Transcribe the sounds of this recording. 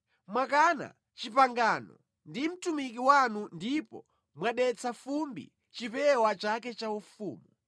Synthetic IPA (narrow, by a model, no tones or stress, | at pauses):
mwakana̰ | t͡ʃipaŋɡanɔ̰ | ndim̩tumikiwanundipɔ̰ | mwaɗɛt͡safumbḭ | t͡ʃipɛwat͡ʃakɛt͡ʃaufṵːmu